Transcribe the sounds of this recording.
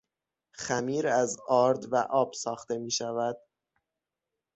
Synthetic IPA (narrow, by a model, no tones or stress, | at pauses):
xæmiːɾæzɒːɾd̪væʔɒːb̥sɒːxt̪e̞miːʃævæd̪̥̚